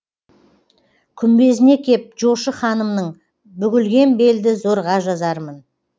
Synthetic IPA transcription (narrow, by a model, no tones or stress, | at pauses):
kʲʰʏmbe̞zɪne̞kʲʰe̞p̚ʒo̞ʃəχɑnəmnəɴ | bʏɡʲɪlɡʲe̞nbe̞ld̪ɪzoɾʁɑʒɑzɑɾmən